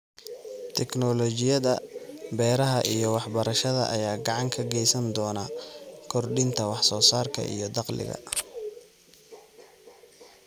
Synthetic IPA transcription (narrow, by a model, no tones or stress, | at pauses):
t̪ʰɛknɔlɔt͡ʃɪjɐðɐbɛːɾɐɦɐʔijɔwɑħbɐɾɐʃɐðɐ̰ʔɐjaːɡɑʕɑŋkʰɐɡɛjsɐnd̪ɔːnɐkʰɔrɖɪnt̪ʰɐwɑħsɔːsaːrkʰɐ̰ʔḭjɔd̪ɑqlɪ̰ɣɐ̰